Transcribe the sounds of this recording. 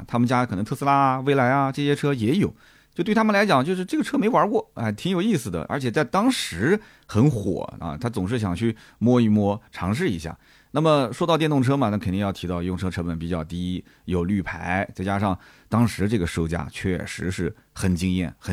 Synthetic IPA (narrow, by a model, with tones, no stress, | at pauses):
t̪ʰa˥mə˨nt͡ɕja˥kʰɤ˨˩nɤ˧˥ŋt̪ʰsɹ̩˥la˥˧we˥˩ɪla˧˥ɪɐ˧ʈ͡ʂɤ˥˧ɕjɛ˥ʈ͡ʂʰɤ˥jɛ˧˥jo˨˩˦ʊ | t͡ɕjo˥˧t̪we˥˩tʰa˥mə˨nla˧˥ɪt͡ɕjɑ˨˩ŋt͡ɕjo˥˧ʊʂ̬ɻ̩˥˧ʈ͡ʂɤ˥˩ɡə˩ʈ͡ʂʰɤ˥me˧˥ɪwɐ˧˥kwɔ˥˩a˥˩ɪt̪ʰi˧˥ŋjo˨˩ʊi˥˩sɹ̩˩d̪ə̰˩ʔə̰˞˧˥t͡ɕʰjɛ˨˩t͡sa˥˩ɪt̪ɑ˥ŋʂɻ̩˧˥ | xə˧˥nxwɔ̰˨˩˦ɐ̰˧t̪ʰa˥t͡sʊ˨˩ŋʂɻ̩˥˩ɕ̬jɑ˨˩ŋt͡ɕʰy˥˩ | mwɔ˥˧i˥˩mwɔ˥ʈ͡ʂʰɑ˧˥ŋʂ̬ɻ̩˥˩ḭ˧˥ɕja̰˥˩ | na˥˩mə˩ʂwɔ˥t̪ɑ˥˧t̪jnt̪ʊ˥˩ŋʈ͡ʂʰɤ˥mɐ˨na˥˩kʰə˨˩nt̪i˥˧jɑ˥˩ʊtʰi˧˥t̪ɑ˥˧ʊjʊ˥˩ŋʈ͡ʂʰɤ˥ʈ͡ʂʰɤ˥pə˨˩np̬i˨˩t͡ɕjɑ˥˩ʊt̪i˥ | jo˨˩ʊly˥˩pʰa˧˥ɪt͡sa˥˩t͡ɕja˥ʂɑ˥˩ŋ | t̪ɑ˥ŋʂɻ̩˧˥ʈ͡ʂɤ˥˩ɡə˩ʂo˥˩ʊt͡ɕja̰˥t͡ɕʰɥɛ̰˥˩ʂɻ̩˧˥ʂɻ̩˥˩ | xə˨˩nt͡ɕi˥ŋjɛ̰˥˩nxə˨˩